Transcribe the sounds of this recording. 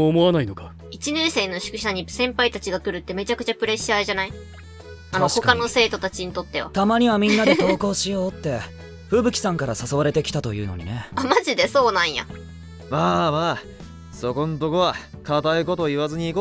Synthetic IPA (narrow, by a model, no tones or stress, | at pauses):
moβanainokḁ | it͡ɕineːse̞ːnːo̞ɕi̥kɯ̟ɕaɲ̟isẽ̞mpait̪at͡ɕiɡakɯ̟ɾɯ̟t̪ːe̞me̞t͡ɕakɯ̟̥t͡ɕapɯ̟ɾe̞ɕaʑanai | anoɕokkano̞se̞ːt̪o̞t̪at͡ɕiɲ̟it̪o̞t̪ːe̞βa̰t̪amaɲ̟iβamʲĩnːad̪ed̪o̞ːko̞ːɕijo̞ːt̪ːe̞ | ɸɯ̟ːbɯ̟kʲi̥sãŋkaɾasasoβaɾe̞t̪e̞kʲi̥t̪at̪o̞jɯ̟ːnoɲ̟ḭne̞amaʑid̪e̞so̞ːnãɰ̃ja̰ | maːmaː | so̞kõ̞nt̪okoβakat̪aiko̞t̪o̞iβazɨɲ̟iːko